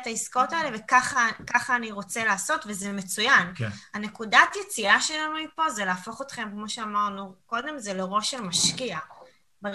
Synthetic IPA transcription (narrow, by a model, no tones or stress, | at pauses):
taiskotaelevekaχakaχaːniʁo̞t͡selaːso̞tvezemet͡sujankane̞kudatjet͡siaʃelamipo̞zelaːfo̞χo̞tχe̞mkmo̞ʃeamaʁnuko̞d̪e̞mzeleʁo̞ʃelmaʃkia | be